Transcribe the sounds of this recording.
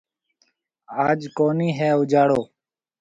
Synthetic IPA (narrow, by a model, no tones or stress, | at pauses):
aːd͡ʒkoːniːɦɛːʊd͡ʒaːɽoː